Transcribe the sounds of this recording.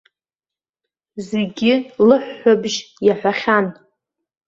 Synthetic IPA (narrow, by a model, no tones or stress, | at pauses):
zeɡʲɪlɨħːʷabʒjaħᶣʷaχʲan